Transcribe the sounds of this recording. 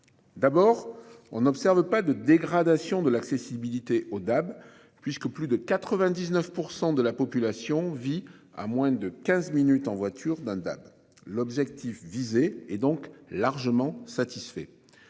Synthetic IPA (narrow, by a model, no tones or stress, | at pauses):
d̪abɔʁ | ɔ̰̃nɔpsɛʁvəpad̪əd̪eɡʁad̪asjɔ̃d̪əlaksesibilit̪eʔod̪ab | pɥiskəplyd̪əkat̪χəvɛ̃d̪iznœfpuʁsɑ̃d̪əlapɔpylasjɔ̃via̰mwɛ̃d̪əkʲɛ̃zminyt̪ɑ̃vwat̪ʰyʁd̪ɛ̃d̪a̰b | lɔbʒɛk̚t̪ʰifvizeɛd̪ɔ̃klaʁʒəmɑ̃sat̪isfɛ̰